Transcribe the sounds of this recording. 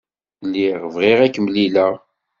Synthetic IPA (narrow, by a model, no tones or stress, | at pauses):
lːiʁvʁiʁækːəmlilæ